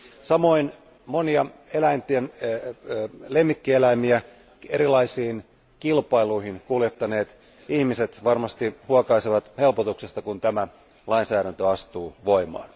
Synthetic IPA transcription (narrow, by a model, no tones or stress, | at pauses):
sɑmo̞in | moniɑelæint̪iæn | le̞mːikːielæimiæ | eɾilɑisiːn | kilpɑiluiɦinkuljet̪ːɑne̞ːt̪ | ihmise̞t̪ʋɑrmɑst̪ihuɑkɑiseʋɑt̪he̞lpot̪uksest̪ɑkunt̪æmæ | lɑinsæːɾænt̪øɑst̪uːʋo̞imɑ̰ːn